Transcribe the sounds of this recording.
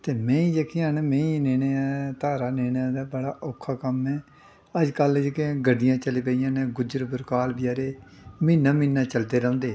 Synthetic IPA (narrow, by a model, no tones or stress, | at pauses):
t̪eːmɛ̃ːĩːd͡ʒəkʰĩnmɛ̃ːĩneːneːat̪aːɾaːneːnad̪aːbəɽaːʔoːkʰːaːkəmɛː | əd͡ʒkəld͡ʒkẽɡəɖɪjãːt͡ʃəleːpəːijãːneːɡʊd͡ʒɾəbəɾkaːlbɪjaːɾeːmɪnːãːmɪnːãːt͡ʃəld̪eːɾ̃ːnd̪eː